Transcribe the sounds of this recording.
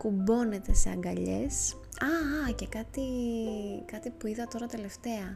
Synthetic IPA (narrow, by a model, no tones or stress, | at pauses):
kubo̞ne̞t̪e̞seɐ̰ŋɡɐʎe̞̰s | ɐce̞kɐt̪i | kɐt̪ipuiðɐt̪o̞ɾɐt̪ele̞ft̪e̞ɐ